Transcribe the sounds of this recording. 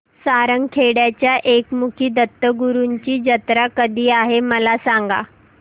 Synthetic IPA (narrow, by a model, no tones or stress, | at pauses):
saɾəŋɡkʰeɽjat͡ɕjaʔekmukʰiːd̪ət̪ːəɡuɾuɲt͡ɕiːd͡ʑət̪ɾakəd̪ʱiːaɦeməlasaŋɡa̰